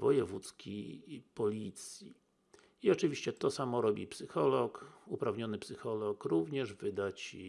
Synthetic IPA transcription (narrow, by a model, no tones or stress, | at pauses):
vɔjɛvut̪skʲipɔlʲit̪sʲji | iɔt͡ʂɘvʲiɕt͡ɕɛt̪ɔsamɔɾɔbʲipsɘxɔlɔkupɾavɲɔnɘpsɘxɔlɔkɾuvɲɛʐvɘd̪at͡ɕ